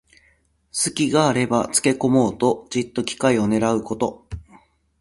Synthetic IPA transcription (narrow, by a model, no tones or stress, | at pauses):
sɨkʲiɡaːɾe̞bat͡sɨ̥ke̞ko̞mo̞ːt̪o̞ʑit̪ːo̞kʲi̥kaio̞ne̞ɾaɯ̟ko̞t̪o̞